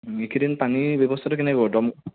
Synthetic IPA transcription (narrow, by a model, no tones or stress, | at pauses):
ekʰiɾinpanibɔbɔst̪ʰatɔk̬enɛkɔdɔm